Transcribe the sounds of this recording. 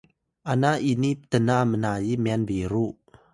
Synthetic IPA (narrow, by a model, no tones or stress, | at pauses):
ʔanaʔinit̪ənamənaːjimɛnbiɾuʔ